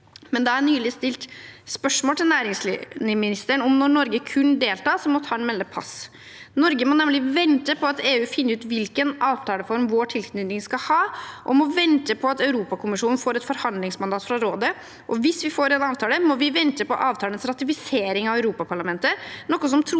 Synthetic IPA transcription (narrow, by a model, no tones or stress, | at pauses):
mɛnd̪ɛæɾnyːlɪst̪ɪlt̪spœʂmoːt̪ɪlnæːɾɪŋsl̰nɪmɪnɪst̪əɳɔmnɔɳɔɾɡəkʰʉnːd̪eːlt̪ɑːsɔmɔt̪ʰɑːɛnmɛlːəpʰɑ̰s | nɔɾɡəmɔnɛmlɪʋɛnt̪əpʰɔɑt̪eːʉːfɪnːəʉːt̪ʋɪlkənɑːʋt̪ʰɑːləfɔɾmʋoːʈʰɪlkʰnʉd̪nɪŋskɑhɑːʔɔmɔʋɛnt̪əpʰɔɑt̪œʉɾuːpɑkʰʊmɪʂuːn̩foːɾɛt̪fɔɾhɑnd̪lɪŋsmɑnd̪ɑːt̪fɾɑɾoːd̪ə | ʔɔʋɪsʋɪfoːɾɛnɑːʋt̪ʰɑːləmɔʋɪʋɛnt̪əpɔ̰ʔɑːʋt̪ʰɑːlənsɾɑt̪ɪfɪseːɾɪŋɑʋœʉɾuːpɑpʰɑɭɑmɛnt̪ənɔkːɔs̬ɔmt̪ʰɾ